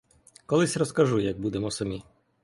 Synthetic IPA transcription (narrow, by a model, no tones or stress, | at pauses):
kɔlˠɪsʲrɔskɐʒujɐɡ̚bud̪emɔsɐmʲi